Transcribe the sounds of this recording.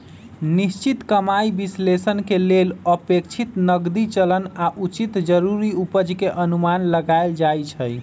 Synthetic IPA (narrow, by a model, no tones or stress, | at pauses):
nist͡ʃit̪kəmaibislesənkeleləpekt͡ʃʰit̪nəɡd̪it͡ʃələnaʔut͡ʃit̪d͡ʒəɾuɾiupəd͡ʒkeʔənumanləɡaɪld͡ʒajt͡ʃʰəj